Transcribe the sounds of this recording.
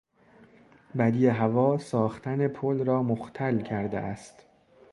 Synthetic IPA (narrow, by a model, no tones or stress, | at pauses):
bæd̪ijeɦævɒːsɒːxt̪ʰæne̞pʰolrɒːmoxt̪ʰælcʰæɾd̪ḛʔæst̪